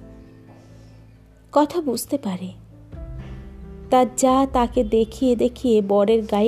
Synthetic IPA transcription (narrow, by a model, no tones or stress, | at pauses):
kɔt̪ʰabud͡ʑʱt̪epaɾe | t̪aɾd͡ʑat̪aked̪ekʰijed̪ekʰijebɔɽeɾɡa